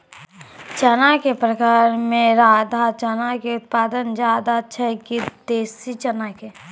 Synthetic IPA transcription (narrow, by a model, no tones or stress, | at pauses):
t͡ʃɐnakepɾəkaːɾmẽɾaːd̪ʱat͡ʃɐnakeʊt̪̚paːd̪ənd͡ʒaːd̪at͡ʃʰəɦkit̪ːeːsit͡ʃɐnake